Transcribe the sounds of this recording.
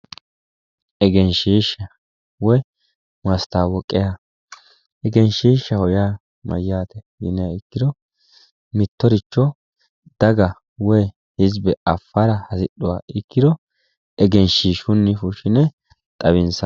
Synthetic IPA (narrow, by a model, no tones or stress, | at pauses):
ʔɛɡɛnʃiːʃːɐ | wɔj | mɐst̪aːwɔkʼːɪja | ɛɡɛnʃiːʃːɐhɔjaː | mɐ̰jːaːt̪ɛjɪ̰nɛjaɪkːɪd̪ɔ | mɪt̪ːɔɾɪt͡ʃːɔ | d̪̥ɐɡɐ | wɔj | hɪzbɛʔɐfːɐɾɐhɐsɪɗːʊwa̰ːɪkːɪd̪ɔ | ɛɡɛnʃiːʃʊnːɪfʊʃɪnɛ | t̪ʼɐβɪnsɐ